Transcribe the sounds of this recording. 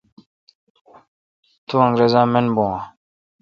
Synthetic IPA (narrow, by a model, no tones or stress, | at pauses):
t̪uɐ̃ŋɡɾezãːmenbowã